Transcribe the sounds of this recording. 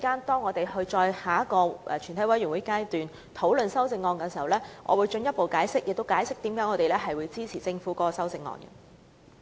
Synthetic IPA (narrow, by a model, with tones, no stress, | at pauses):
i˨kaː˥nt̪ɔː˥ŋːɔː˨˧t̪e˨jhɵ˧ɥt͡ʃɔː˧jhaː˨˥kɔː˧ʔɛ̰˨t͡ʃʰy˨˩nt̪ʰɐ˨˥jwɐ˨jɥy˨˩wu˨˦jkaː˥jt̪yː˨n | t̪ʰo˨˥wlɵ˨nsɐ˥wt͡sɪ˧ŋːɔː˧nkɛː˧si˨˩hɐ˨˩wlɛː˥ŋʔɔ̰ː˨˧wuː˨˧jt͡ʃɵ˧njɐ˥t̚po˨wkaː˨˥jsɪ˥k̚jɪ˨k̚t̪o˥wkaː˨˥jsɪ˥k̚t̪iː˨˥mkaː˨˥ŋɔː˨˧t̪e˨jlɛː˥ɦɐ˨jwuː˨˧jt͡siː˥t͡sʰiː˨˩t͡sɪ˧ŋfuː˨˦˥kɔː˨˧˥kɔ˨˧sɐ˥wt͡sɪ˧ŋːɔ̰ː˧nkɐ̰˧